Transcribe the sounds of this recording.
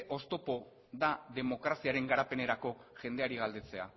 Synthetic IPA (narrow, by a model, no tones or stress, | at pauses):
ʔo̞st̪o̞po̞ | ðaðe̞mo̞kɾasiaɾe̞ŋɡaɾape̞ne̞ɾako̞ʝe̞nd̪e̞aɾiɣ̞ald̪e̞t͡se̞a̰